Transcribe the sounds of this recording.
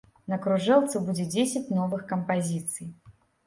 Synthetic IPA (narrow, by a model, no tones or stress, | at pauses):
nɐkɾuʐɛlt̪sɨbud͡zʲɛd͡zʲesʲɐt͡sʲnɔvɨxkɐmpazʲit̪sɨj